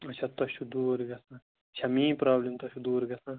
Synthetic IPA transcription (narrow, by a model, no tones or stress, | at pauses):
ɐt͡ʃʰat̪ɐʃud̪uːɾɡɐsãː | ʃʰɐmĩːpɾaːblemt̪ɐʃud̪uːɾɡɐsãː